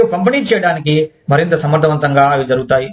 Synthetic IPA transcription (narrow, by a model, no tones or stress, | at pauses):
kɐmpɐniːt͡ʃɛːjɐɽaːnik̬i | mɐɾint̪ɐsɐmɐɾt̪ɐʋɐnt̪ɐŋɡaːɐjid͡ʒɐɾuɡut̪aːji